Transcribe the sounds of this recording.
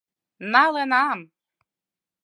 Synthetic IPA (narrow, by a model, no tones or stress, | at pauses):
nɑlenɑm